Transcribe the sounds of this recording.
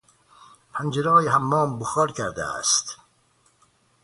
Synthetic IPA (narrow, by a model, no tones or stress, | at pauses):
pʰænd͡ʒeɾɒːjeɦæmːɒːmboxɒːɾkʰæɾd̪æ̰æ̰st̪